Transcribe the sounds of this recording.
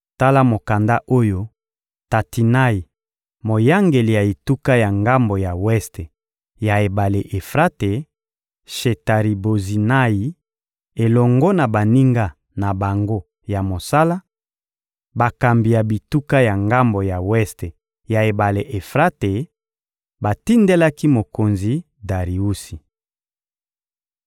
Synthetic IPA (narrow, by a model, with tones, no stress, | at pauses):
ta˦la˦mo˨ka˨nda˦ʔo˦jo˦ | ta˨ti˨na˦i˨ | mo˨ja˦ŋɡe˨li˨ja˨i˨tu˦ka˦ja˨ŋɡa˦mbo˨ja˨wɛ˦ste˨ | ja˨e˨ba˨le˨ʔe˨fʁa˦te˨ | ʃe˨ta˨ʁi˨bo˨zi˨na˦i˨ | e˨lɔ˨ŋɡɔ˦na˨ba˨ni˦ŋɡa˦ | na˨ba˨ŋɡo˦ | ja˨mo˨sa˦la˦ | ba˨ka˨mbi˨ja˨bi˨tu˦ka˦ja˨ŋɡa˦mbo˨ja˨wɛ˦ste˨ | ja˨e˨ba˨le˨ʔe˨fʁa˦te˨ | ba˨ti˦nde˦la˦ki˦mo˨ko˨nzi˨ | da˨ʁi˨u˦si˨